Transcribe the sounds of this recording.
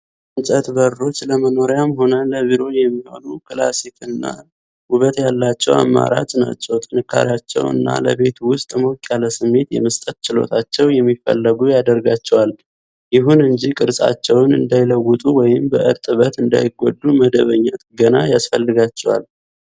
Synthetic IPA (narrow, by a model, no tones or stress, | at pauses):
nsʼət̪bəɾːo̞t͡ʃːləməno̞ɾjamɦo̞nələβiɾo̞jɛmːiho̰nukʰɨla̰sikɨnːa̰ | huβət̪jalːat͡ʃːɛwa̰mːa̰ɾa̰t͡ʃʼna̰t͡ʃːɛwt̪ʼɨnɨkʰːa̰ɾjat͡ʃːɛ̰wɨ̰nːa̰lə̰βe̞t̪wʊst̪ʼmokʼjaləsɨmːe̞t̪jɛ̰məst̪ʼət̪̚t͡ʃɪlo̞̰t̪ʰat͡ʃːɛwjɛmːifə̰lːəɡujad̪əɾɡat͡ʃːɛwal | jɪɦunɨɲd͡ʒikʼɨɾsʼa̰t͡ʃːɛwnɨ̰nd̪ajɪləwːʊt̪ʼuwɔjɪmbəʔɨɾt̪ʼɨβət̪ɨnd̪a̰jɪɡo̰d̪ːuməd̪əβəɲːət̪ɡənajasfəlːɨɡat͡ʃːɛwa̰l